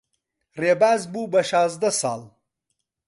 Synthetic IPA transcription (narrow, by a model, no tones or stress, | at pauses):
reːbaːzbuːbɐʃaːzd̪ɐsɑ̰ːl